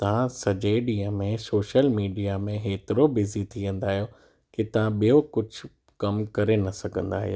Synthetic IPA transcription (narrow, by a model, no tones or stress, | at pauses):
t̪ɐʋ̤ãsɐd͡ʑeɗiə̃mẽsoːʃəlmiːɖijamẽɦeːt̪ɪɾobɪzit̪ʰiʋɐ̃n̆d̪aːɦijo | kit̪ɐʋ̤ãɓijokʊd͡ʑʱʊ̆ | kɐmkɐɾenɐsɐɡʱə̃n̆d̪a̰ːɦḭjo